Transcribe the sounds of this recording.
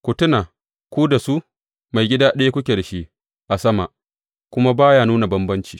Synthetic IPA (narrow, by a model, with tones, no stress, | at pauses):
kʷʊ˨tʊ˦na˨ | kʷu˦da˨su˦ʔ | ma˨jɡʲɪ˦daː˦ɗa˦je˦kʷʊ˦kʲe˨dɐ˨ʃi˦ | ʔa˨sɐ˦ma˨ʔ | kʷʊ˦ma˦baː˦jaː˨nuː˦na˨bɐ˦mbɐ˦nt͡ʃiː˨